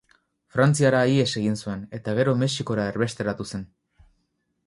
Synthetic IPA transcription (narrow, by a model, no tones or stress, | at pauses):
fɾant͡siaɾaie̞se̞ɣ̞insue̞ne̞t̪aɣ̞e̞ɾo̞me̞siko̞ɾaeɾβe̞st̪e̞ɾat̪use̞n